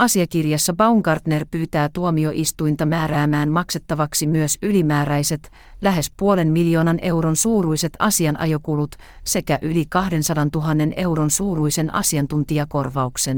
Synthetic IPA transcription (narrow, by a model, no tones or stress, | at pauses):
ʔɑsiɑkirjɑsːɑbɑuŋɡɑrt̪ne̞rpyːt̪æːt̪uomio̞ʔist̪ujnt̪ɑmæːɾæːmæːnmɑkse̞t̪ːɑʋɑksimyøsylimæːɾæjse̞t̪ | læɦe̞spuo̞le̞nmiljo̞ːnɑnʔe̞wɾo̞nsuːɾujse̞t̪ʰɑ̰siɑnʔɑ̰jo̞kulut̪ | se̞kæʔylikɑhde̞nsɑdɑnt̪uɦɑnːe̞ne̞wɾo̞nsuːɾujse̞nʔɑ̰siɑnt̪unt̪iɑko̞rʋɑukse̞n